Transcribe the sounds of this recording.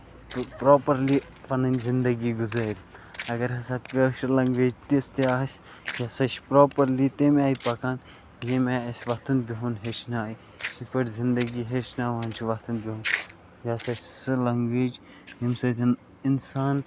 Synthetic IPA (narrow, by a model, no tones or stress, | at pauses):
pɾoːpɐɾli | pɐnɐnʲzɪnd̪ɐɡiːɡuzaɾʲɐɡɐɾɦɐsaːpʲeʃlɐŋɡʋeːd͡ʒt̪ist̪eaːɦɐsʲ | jaːsɐʃpɾoːpɐɾlit̪emaːipɐkaːn | jemʲaːɐsʲʋɐt̪ɐnbʲiɦunɦeʃnaːi | ipɐʈzɪnd̪ɐɡiːɦeːʃnaːʋɐant͡ʃʰuʋɐt̪ɐnbiɦun | jaːsɐt͡ʃsɨlɐŋɡʋeːd͡ʒ | himsɐd̪ʰʲin | insaːn